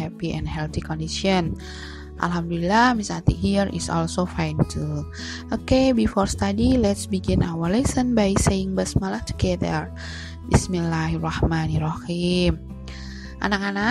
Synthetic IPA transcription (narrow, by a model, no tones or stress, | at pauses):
ɛpiɛ̰̃nhɛlθikɔndiʃɔn | ʔa̰lɦamdulilahmisat̪ḭɦirḭsɔ̰lsofajntʰu | ʔokebifɔrst̪adilɛtsbiɡĩnʔawərlɛsənbajseɪŋbəsmalahtu̥ɡɛd̪ər | bismilahirɑhmanirɑhim | ʔa̰nakana